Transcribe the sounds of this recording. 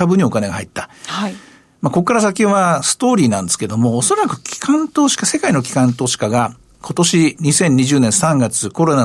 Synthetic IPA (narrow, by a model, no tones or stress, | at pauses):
abɯ̟ɲ̟iokane̞ɡa̰ha̰it̪ːḁha | mako̞kːaɾas̬akʲĩβasɨ̥t̪o̞ːɾʲiːnãnd̪e̞sɨ̥ke̞d̪o̞moːso̞ɾakɯ̟̥kʲi̥kʰãnt̪o̞ːɕi̥kase̞kaino̞kʲi̥kãnt̪o̞ːɕi̥kaɡa | kʰo̞t̪o̞ɕiɲ̟isẽ̞ɲ̟ːiʑɨːnẽɰ̃sãŋɡat͡sɨko̞ɾo̞na